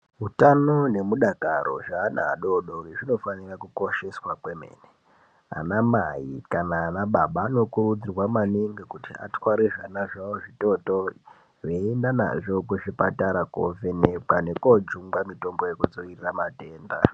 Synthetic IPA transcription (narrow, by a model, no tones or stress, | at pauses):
ɦutano̞ne̞muɗakaɾo̰ʐaːna̰ːɗo̞ɗo̞reʐino̞fanirakuko̞ʃe̞swakwemḛːne | a̰namajikanaːnaɓaɓaːnokurud͡zirwamaniŋɡekutia̰twaɾiʐanaʐaoʐito̞to | ʋeendana̰ʐo̞kuʐipataɾako̰venekane̞kod͡ʒuŋɡamito̞ŋɡojekud͡zo̞iriramate̞ːnda̰